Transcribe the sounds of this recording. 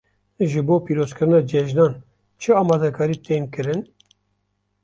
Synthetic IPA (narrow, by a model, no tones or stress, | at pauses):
ʒɨboːpiːɾozkɨɾɨnɑːd͡ʒɛʒnɑːn | t͡ʃʰɨɑːmɑːd̪ɛkʰɑːɾiːt̪eːnkɨɾɨn